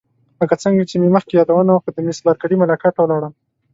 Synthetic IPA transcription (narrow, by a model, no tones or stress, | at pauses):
aɡat͡saŋɡet͡ʃememəxkejɑd̪awənawxod̪əmisbaɾkaɽimalakat̪awəlɑɽəm